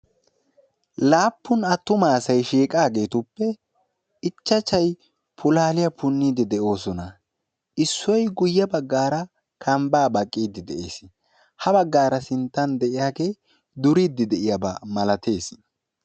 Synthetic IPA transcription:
laːpːʊnɐt̪ːʊmaːsɐjʃiːkʼaːɡe̞ːt̪ʊpːɛ | ɪt͡ʃːɐt͡ʃːɐj | pʰʊlaːlɪjɐpʰʊnːiːd̪ɪd̪ɛʔo̞ːsɔnɐ | ʔɪsːɔjɡʊjːɐbɐɡːaːɾɐ | kʰɐmbaːbɐkʼːiːd̪ɪd̪ɛʔḛːs | hɐbɐɡːaːɾɐsɪnt̪ːɐnd̪ɛʔɪjaːkeː | d̪ʊɾiːd̪ːɪd̪ɛʔɪjɐbɐmɐlɐt̪ʰe̞ːs

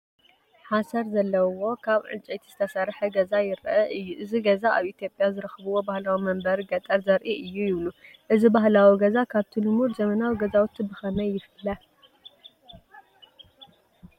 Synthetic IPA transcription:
ħasɐɾzɐlːɐwo̞kʰaβʕɨ̰nt͡ʃʼejt̪ʰi̥zɨt̪ʰɐsɐɾħɐɡɐzajɪɾʔɐʔɨjːuʔɨziɡɐzaaβʔit̪ʰjo̞pʼjazɨɾɨxɨβɨwo̞bahlawimɐmbɐɾɡɐt̪ʼɐɾzɐɾʔiʔɨjːujɪβlu | ʔɨzibaɦlawiɡɐzakʰaβt̪ʰinɨmuɾzɐmɐnawiɡɐzawt̪ʰːɨbɨxɐnɐjːɪfɨlɐ

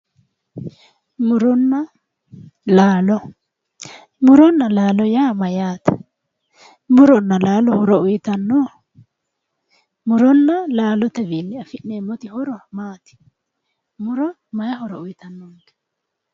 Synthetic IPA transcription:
mʊɾɔnːɐ | laːlɔ | mʊɾɔnːɐlaːlɔjaːmɐjaːt̪ɐ | mʊɾɔnːɐlaːlɔhɔɾɔʊjɪt̪ɐnːoː | mʊɾɔnːɐlaːlɔt̪ɛbinːɪɐfɪʔnːeːmːɔt̪ɪhɔɾɔmaːt̪ɪ̥ | mʊɾɔ | mɐjɐhɔɾɔʊjɪt̪ɐnːɔnd̪ɐ̥

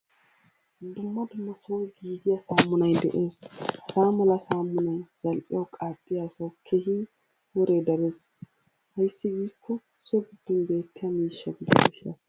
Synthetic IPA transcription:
d̪ʊmːɐd̪ʊmːɐsʊwɐjɡiːɡɪjɐsaːmːʊnɐjd̪ɛʔeːshɐɡaːmɔlɐsaːmːʊnɐjz̥ɐlʔʼɪ̰jɐwkʼaːt̪ʼːɪjasɔwkʰehɪn | wɔɾed̪ɐɾe̞ːs | hɐjsːɪɡiːkʰːɔ | sɔɡɪd̪̥ːɔnbe̞ːt̪ːɪjɐmiːʃːɐɡɪd̪ɔnɡɛʃːja̰ːs

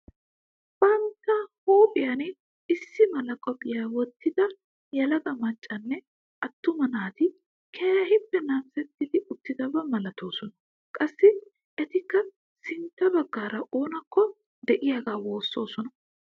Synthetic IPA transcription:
b̥ɐnt̪ːɐhoːpʼɪjɐnɪ | ɪsːɪmɐlɐkʼɔpʼɪjawɔt̪ːɪd̪ɐ | jɐlɐɡʼɐmɐt͡ʃʼːɐnːɛ | ʔɐt̪ːʊmɐnaːt̪ɪ | kʰɛjɐhɪpːɛnaːmsɛt̪ːɪd̪ɪʔʊt̪ːɪd̪ɐbɐmɐlɐt̪o̞ːsɔnɐ | kʼɐsːɪ | ʔɛt̪ɪkːɐ | sɪnt̪ːɐbɐɡːaːɾɐʔo̞ːnɐkːɔ | d̪ɛʔɪjaɡaːwo̞ːsːo̞ːsɔnɐ

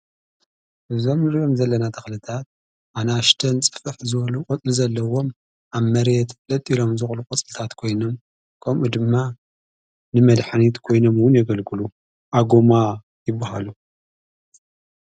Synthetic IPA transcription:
ʔɨzo̞mɨɾjomzɐlːɐnat̪ʰɐxlɨt̪ʰat̪̚ | ʔanaʃt̪ʰɐnt͡sʼɨ̥fɨħzɨβɐlukʼɔt͡sʼlizɐlːɐwo̞m | ʔaβmɐɾet̪lɐt̪ʼilo̞mzɨxʼlukʼɔt͡sʼɨlɨt̪ʰat̪kʰo̞jno̞m | kʰɐmʔud̪ɨmːa | nɨmɐd̪ħanit̪kʰo̞jno̞mwʊnjɛɡɐlɡɨlu | ʔaɡoma | jɪbːaɦa̰lu

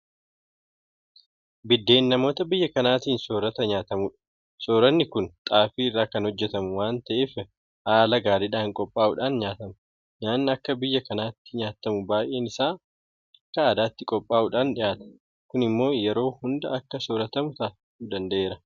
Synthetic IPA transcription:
bɪd̪ːe̞ːnːɐmo̞ːt̪ɐbɪjːɐkɐnaːt̪iːnso̞ːɾɐt̪ɐɲaːt̪ɐmʊᶑɐ̥ | soːɾɐnːɪkʊnt̪ʼaːfiːɪrːaːkɐnhɔd͡ʒːɛt̪ɐmʊwaːnt̪ɐʔeːf | haːlɐɡaːɾɪᶑaːŋkʼɔpʼːaːʔʊᶑaːnɲaːt̪ɐm | ɲaːnɐkːɐbɪjːɐkɐnaːt̪ːɪɲaːt̪ːɐmʊbaːjʔe̞ːnɪsaː | ɐkːɐːd̪aːt̪ːɪkʼɔpʼːaːʔuᶑaːnᶑɪʔaːt̪ɐ̥ | kʊnɪmːo̞ːjɛɾo̞ːhʊnd̪ɐɐkːɐsoːɾɐt̪ɐmʊt̪aːɪtuːd̪ɐnd̪ɐʔe̞ːɾɐ

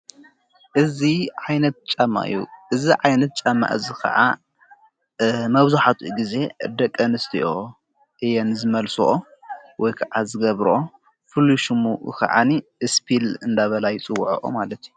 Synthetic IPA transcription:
ʔɨziʕajnɐt̪̚t͡ʃʼɐmːa̰ʔɨ̰juʔɨziʕajnɐt̪̚t͡ʃʼɐmːa̰ʔɨzikʰɐ̰ʕa | mɐβzuħat̪ʰuʔɡize̞d̪ɐkʼːɐnɨst̪ʰiʔo | ʔɨjanɨzɨmɐlso̰ʔo | wɔjkʰɐʕazɨɡɐβɾʔo | fɨlːuʃumuɨ̰kʰɐ̰ʕa̰niʔɨspʰilɨnd̪aβɐlajɪt͡sʼɨwːʕoʔo̰malɐt̪ʰju

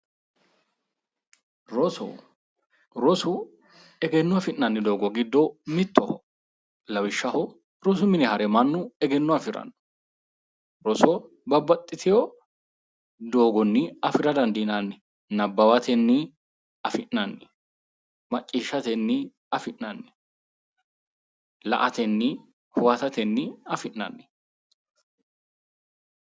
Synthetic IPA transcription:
ɾɔsɔ̰ | ɾɔsʊ | ɛɡɛnːʊɐfɪnːɐnːɪd̪o̞ːɡɔɡɪd̪ːɔmɪt̪ːɔhɔ | lɐwɪʃːɐhɔ | ɾɔs̬ʊmɪnɛhɐɾɛmɐnːʊɛɡɛnːʊɐfɪɾɐ̰nːɔ̥ | ɾɔsɔ | bɐbːɐt̪ʼːɪt̪ʰɪjɔ | d̪oːɡɔnːɪɐfɪɾɐd̪ɐnd̪ɪnɐnːɪ | nɐbːɐwɐt̪ɛnːɪ | ɐfɪʔɐnːɪ | mɐt͡ʃʼːiːʃːɐt̪ɛnːɪ | ɐfɪʔnɐnːɪ̥ | lɐ̰ʔɐt̪ɛnːɪ | hʊwɐt̪ɐt̪ɛnːɪɐfɪnːɐ̰nːɪ̥

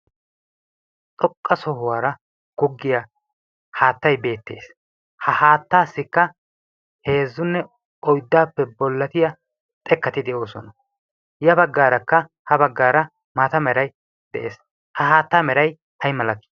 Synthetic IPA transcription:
t̪ʼɔkʼːɐsɔhʊwaːɾɐ | ɡ̥ɔɡːɪja | haːt̪ːɐjbe̞ːt̪ːe̞̰ːs | hɐhaːt̪ːaːsːɪkːɐ | he̞ːzːʊnːɛ | ɔjd̪ːaːpːɛbɔlːɐt̪ɪjɐ | t̪ʼɛkːɐt̪ɪd̪ɛʔo̞ːsɔnɐ | jɐbɐɡːaːɾɐkːɐ | hɐbɐɡːaːɾɐ | maːt̪ɐmɛɾɐj | d̪̥ɛʔe̞̰ːs | hɐɦaːt̪ːaːmɛɾɐj | hɐjmɐlɐkːɪ̥

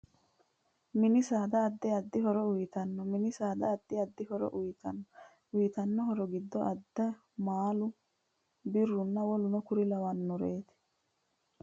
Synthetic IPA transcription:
mɪnɪsaːd̪ɐːd̪ːɛɐd̪ːɪɦɔɾɔʊjɪt̪ɐnːɔmɪnɪsaːd̪ɐːd̪ːɪɐd̪ːɪhɔɾɔ̰ʔʊj̪nː | ʊjɪt̪ɐnːɔɦɔɾɔɡɪd̪ːɔʔɐd̪ːɐ | maːlʊ | bɪrːʊnːɐwɔlʊnɔkʊɾɪlɐwɐnːɔɾeːt̪ɪ̥

